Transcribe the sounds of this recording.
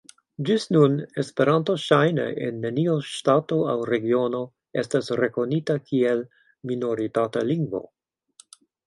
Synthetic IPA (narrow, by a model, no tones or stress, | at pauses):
d͡ʒisnunespeɾantoʃajnḛʔḛnːenioʃtato̞awɾe̞ɡio̞no̞ | estasɾeko̞nitakʰiel | mino̞ɾitata̰liŋɡvo̞̰